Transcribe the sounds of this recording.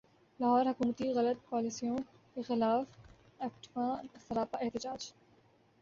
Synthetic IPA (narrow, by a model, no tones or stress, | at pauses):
laɦɔːɾɦɐkuːmət̪iɣɐlət̪̚paːlisijõ | kexɪlaːf | ɛːkʈʋãːsɐɾaːpaʔɪht̪ɪd͡ʒaːd͡ʒ